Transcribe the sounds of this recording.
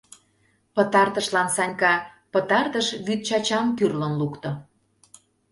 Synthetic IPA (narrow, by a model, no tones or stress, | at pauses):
pət̪ɑrt̪əʃlɑnsɑnʲkɑ | pə̆t̪ɑrt̪əʃβyt̪̚t͡ɕɑt͡ɕɑmkyrlənlukt̪o